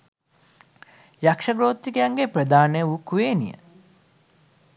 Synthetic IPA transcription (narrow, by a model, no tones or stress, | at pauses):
jakʂɐɡɾoːt̪ːikəjaŋɡepɾəd̪aːnəjəukuʋeːnḭjə̰